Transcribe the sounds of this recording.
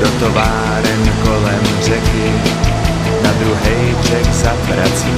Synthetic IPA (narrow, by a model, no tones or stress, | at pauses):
dɔt̪ɔʋaː | ɾɛnkɔlɛm | rɛkɪ | nad̪ɾuɦɛjvrɛɡzapɾat͡siː